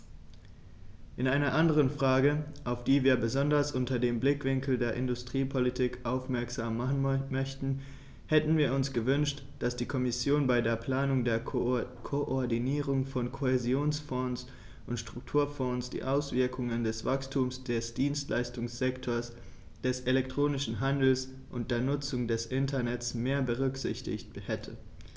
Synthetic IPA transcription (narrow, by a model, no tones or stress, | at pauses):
ʔɪnaɪnɐʔandəʁənfʁ̥aːɡəʔaʊfd̥iːviːɐbəzɔndɐsʔʊntɐdeːmblɪkv̥ɪŋkl̩deːɐʔɪndʊstʁ̥iːpʰɔlitʰiːkʔaʊfmɛɐkz̥aːmːœçtn̩ | hɛtn̩viːɐʊnsɡ̥əvʏnʃt | d̥asd̥iːkʰɔmɪsjoːnbaɪdeːɐpl̥aːnʊŋdeːɐkʰoʔɔɐdiniːʁ̞ʊŋfɔnkʰoezjoːnsfɔns | ʔʊntʃtʁ̥ʊk̚tʰuːɐfɔnsd̥ḭːʔaʊsv̥ɪɐkʰʊŋəndɛsv̥akstʰuːmsd̥ɛsd̥iːnstlʔa̰ɪstʊŋsz̥ɛktʰoːɐs | d̥ɛsʔelɛktʁ̥oːnɪʃn̩ɦandl̩s | ʔʊnt̚d̥eːɐnʊt͡sʊŋdɛsʔɪntʰɐnɛtsmeːɐbəʁ̞ʏkz̥ɪ̰çtɪ̰çthɛtʰə